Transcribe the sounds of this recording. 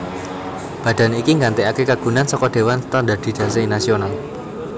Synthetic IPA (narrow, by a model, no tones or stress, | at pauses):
b̥ä̤d̪̥a̤nikiŋɡant̪eakekaɡ̥ṳnansɔkɔɖ̥e̤want̪and̪ad̪̥i̤d̪̥a̤sainasional